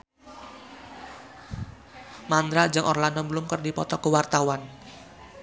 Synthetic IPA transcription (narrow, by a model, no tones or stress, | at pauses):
mand̪ɾad͡ʒəŋʔɔrlandɔmblʊmkərdipɔt̪ɔkəwart̪awan